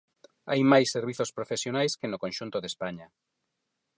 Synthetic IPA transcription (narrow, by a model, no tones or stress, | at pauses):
ajmajsːeɾβ̞iθospɾofesjonajskenokõnʃunt̪ʊðespaɲa